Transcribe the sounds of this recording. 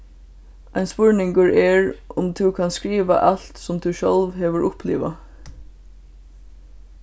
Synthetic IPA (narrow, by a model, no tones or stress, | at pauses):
aɪnspʊɹnɪŋkəɹɛɹʔʊmt̪ʰukʰɑnskɹiːʋa̰ʔɑlt̪sʊmt̪ʰʉːʃœlʋɦeːʋəɹʔʊplḭːʋa̰